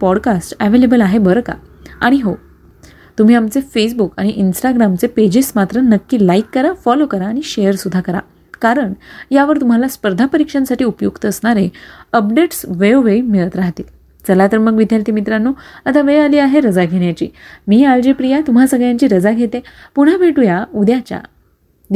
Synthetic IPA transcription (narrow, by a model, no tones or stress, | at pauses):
pɔɽkasʈəʋelebəlaɦebəɾka̰ | aɽ̃iɦo | t̪um̤iːamt͡sefesbukaɽ̃iʔinsʈaɡɾamt͡seped͡ʑismat̪ɾənəkːiːlaikːəɾafɔlokəɾaːɽ̃iɕejəɾsud̪ʱːakəɾa̰ | kaɾəɳjaʋəɾt̪um̤alaspəɾd̪ʱapəɾikʂənsaʈiːupjuɡt̪əsɳaɾɦeəpɖeʈsʋeoʋejmiɭət̪ɾaɦt̪il | t͡səlat̪əɾməɡʋid̪ʱjalt̪imit̪ɾanːuət̪aʋealiːaɦeɾəd͡zaɡʱeɽjat͡ɕḭːmiːald͡ʑepɾijat̪um̤asəɡɭjaɲt͡ɕiːɾəd͡zaɡʱet̪epuɽ̤abʱeʈujaud̪jat͡ɕja̰ | d̪